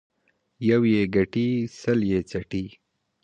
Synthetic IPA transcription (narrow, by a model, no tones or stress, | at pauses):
jawjeɡaʈisəljet͡saʈi